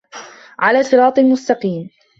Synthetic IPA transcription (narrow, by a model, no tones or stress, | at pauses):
ʕalaːfɨɾɑːt̪ˤɪlmʊst̪ɑqiːm